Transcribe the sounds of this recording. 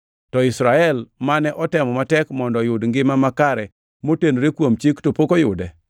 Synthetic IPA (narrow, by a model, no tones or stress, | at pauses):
tɔɪsɾaɛlmanɛʔɔtɛmɔmatɛkmɔndɔjʊdŋɡɪmamakaɾɛ | motenoɾekwomt͡ʃiktopokojʊ̰dɛ